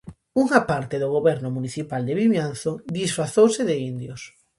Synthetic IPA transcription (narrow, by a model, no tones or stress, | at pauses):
uŋapaɾt̪eðoɣ̞oβɛɾnʊmuniθipald̪eβiβjan̟θod̪isfɾaθowsɪðeind̪jos